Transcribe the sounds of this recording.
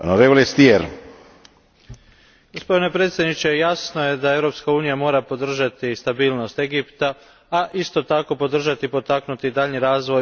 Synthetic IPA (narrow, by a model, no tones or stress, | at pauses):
noɾevolest̪ieɾ | ɡ̥o̞spo̞d̪ine̞pɾet̪sjed̪nit͡ɕe̞jasno̞je̞d̪ae̞ʋɾo̞pskauːnijamo̞ːɾapo̞d̪r̩ʒat̪ist̪abiːlno̞st̪e̞ɡipt̪a | aʔist̪o̞t̪ako̞po̞d̪r̩ʒat̪ipo̞t̪aknut̪id̪aʎɲniɾaːzʋo̞j